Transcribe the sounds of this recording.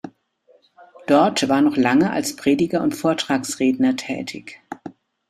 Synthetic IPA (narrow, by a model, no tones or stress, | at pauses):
d̥ɔɐtv̥aːɐnɔχlaŋəʔa̰lspʁ̥eːdɪɡɐʊntfoːɐtʁ̥aːksʁeːdnɐtʰɛ̰ːtʰɪç